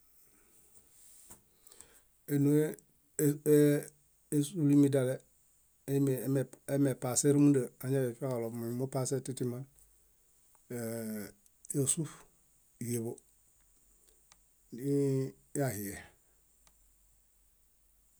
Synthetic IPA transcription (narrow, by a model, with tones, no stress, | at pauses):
e˨no˦e˦ | e˦su˦li˦mi˦da˨le˦˨˦ | me˨e˦me˨pa˨se˦ɾi˦mu˦də˨a˨ɲa˦je˨fa˦ka˨lo˨m˨mo˦pa˦se˦ti˦ti˦ma˦n˨ | ja˨su˦f | je˨βo˦ | i˦ | ja˨hi˨je˨